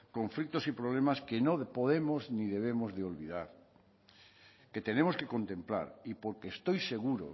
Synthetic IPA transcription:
koɱflik̚t̪osipɾoβ̞lemaskenopoðemozniðeβ̞emozðeolβiðaɾ | ket̪enemoskekont̪ẽmpla̰ɾipoɾkeːst̪ojseɣuɾo̰

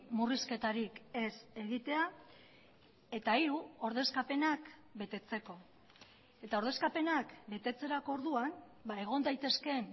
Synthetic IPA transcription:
muriske̞t̪aɾike̞se̞ɣ̞it̪e̞a | e̞t̪aiɾuo̞ɾðe̞skape̞nakbe̞t̪e̞t͡se̞ko̞ | e̞t̪aoɾð̞e̞skape̞nakbe̞t̪e̞t͡se̞ɾako̞oɾðuan | bae̞ɣ̞o̞nd̪ajt̪e̞ske̞n

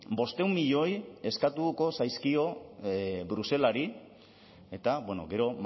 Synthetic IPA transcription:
bo̞st̪e̞wmːiʎo̞je̞skat̪uko̞sajskio̞ | bɾuse̞laɾi | e̞t̪aβweno̞̰ɡe̞ɾo̞m

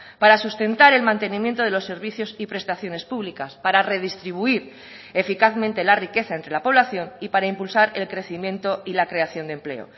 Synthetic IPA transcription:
paɾasust̪e̞nt̪aɾe̞lmãnt̪e̞nĩmjent̪o̞ðe̞lo̞sːe̞ɾβiθjo̞sipɾe̞st̪aθjo̞ne̞spuβlikaspaɾare̞ð̞ist̪ɾiβ̞uiɾ | e̞fikaθmẽnt̪e̞larike̞θaent̪ɾe̞lapo̞β̞laθjo̞nipaɾaimpulsaɾe̞lkɾe̞θimjẽ̞nt̪o̞ilakɾe̞aθjo̞nd̪emple̞̰o̰

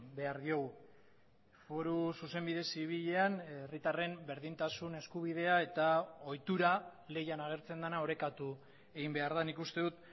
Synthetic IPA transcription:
be̞aɾðio̞ɣu | fo̞ɾususe̞mbiðe̞siβ̞iʎe̞anerit̪are̞mbe̞ɾðint̪asune̞skuβ̞iðe̞ae̞t̪ao̞jt̪uɾale̞janaɣ̞e̞ɾt͡se̞nd̪anao̞ɾe̞kat̪u | e̞ɣimbe̞aɾðanikust̪e̞ðut̪

